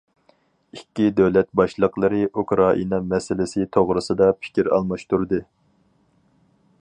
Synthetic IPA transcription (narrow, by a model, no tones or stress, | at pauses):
ikʲːid̪ɛwlɛt̪̚bɑʃlˠəqlˠɨɾɨʔukɾɑʔḭnɑmɛsɪlɪsɪt̪ʰoʁɾɨsɨd̪ɑpʰɪ̥kʲiɾɑ̰lˠmɑʃt̪uɾd̪ɨ